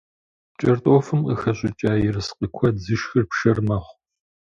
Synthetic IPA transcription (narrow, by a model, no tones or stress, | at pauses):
t͡ʃʼɐrtʼoːfɨmqəxɐɕʷʼɪt͡ʃʼaːjɪrɨsqʼikʷʰɔzɨʃxɨrpʃɐrmɐχʷ